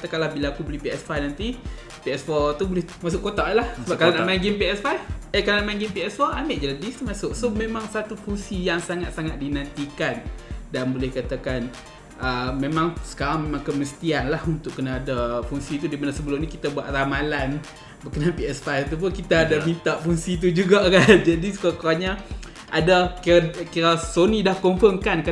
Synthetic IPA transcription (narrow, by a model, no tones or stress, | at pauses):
t̪akalabilaːkubolihpiɛsfajnant̪i | piɛsfɔt̪ubolɛhmas̬ʊʔkːot̪aʔlahsəbakalanamaŋɡɪmpiɛsfajfəkalnaʔmaŋɡɪmpiɛsfɔʔameʔd͡ʒaladist̪umasʊksomẽmãŋsat̪ufuŋsijaŋsaŋat̪̚saŋat̪̚dinant̪ikandanbolɛhkat̪akan | ʔəmemãŋsə̥kaɾaŋmemãŋkəməst̪ianlahunt̪ʊʔkːənaːdafuŋsit̪udimanasəbəlʊmɲikit̪abua̰ʔ̪̚ramalan | bəkənalpiɛspaat̪up̬ʊnkit̪aːdamint̪aʔfuŋsit̪̬ud͡ʒuɡaʔkand͡ʒadiskakaɲa | ʔadakkiɾasonidahkomfəŋkanka